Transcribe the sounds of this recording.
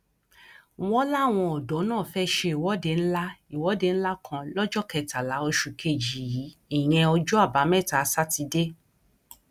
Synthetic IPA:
w̃ɔ̃˦la˦˨w̃ɔ̃˧ɔ˨dɔ˨˦nãː˦˨fɛ˦ʃe˧i˨wɔ˨˦de˧˨n̩˦la˦i˨wɔ˨˦de˧ñ̩˦la˦kʰã˧lɔ˦d͡ʒɔ˦kɛ˧ta˨la˨˦o˧ʃu˨kʰe˧˨d͡ʒi˨ji˨˦i˨j̃ɛ̃˧ɔ˧d͡ʒɔ˦a˦˨ba˨˦mɛ̃˦˨ta˨˧˦sa˦ti˧de˦

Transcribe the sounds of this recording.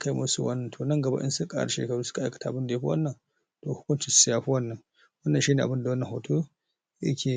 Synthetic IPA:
ka˦jmṵ˦su˦wɐ̰˦nːɐ˨tʰo˨nɐ˦ŋɡɐ˨ba̰˦ʔɪ̰˦su˦kʼa̰˦ɾɐ̰˨ʃḛː˨kɐ˨ɾu˦sʊ̥˦ka˨ʔa˦jkɐ̥˨tʰa˨a˨bɨ˦nda˨jɸu˦wɐ̰˦nːɐ˨n | to˨hʊ˦kʷʊ˦nt͡ʃi˨ssi˦ja˨ɸu˦wɐ˦nːɐ˨n | wɐ˦nːɐ˨nʃiː˦ne˨a˨bɨ˦nda˨wɐ˦nːɐ˨ha˨tʰo˦ | jɐ̰˦kʲe˨

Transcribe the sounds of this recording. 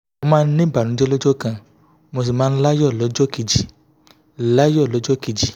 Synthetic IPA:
o˧mãː˦n̩˦nĩ˦ba˨ɾ̃ũ˨˦d͡ʒɔ˦lɔ˦d͡ʒɔ˦kã˧ | mo˧s̬i˨mãː˨˦la˦jɔ˦˨lɔ˨˦d͡ʒɔ˦ki˧d͡ʒi˨ | la˦jɔ˦˨lɔ˨˦d͡ʒɔ˦ki˧d͡ʒi˨

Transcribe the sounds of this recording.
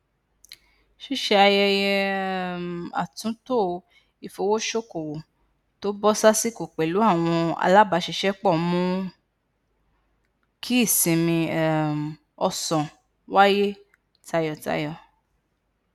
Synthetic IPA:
ʃi˦ʃɛ˧a˧jɛ˧jɛ˧˨m˨a̰˨tũ˨˦to˦˨˧ | i˨fo˨˧wo˦ʃo˦ko˨wo˨ | to˦bɔ˦sa˦si˦ko˨k͡pe˨lu˨˦a˦˨w̃ɔ̃˧a̰˧la˦ba˨˧˦ʃi˧ʃɛ˦k͡pɔ˦˨mũ˦ | kʰi˦i˦˨sĩ˨mĩ˧ɛ˨m˨ | ɔ˧sɔ̃˨ | wa˦je˦ | ta˧jɔ˨ta̰˧jɔ˨

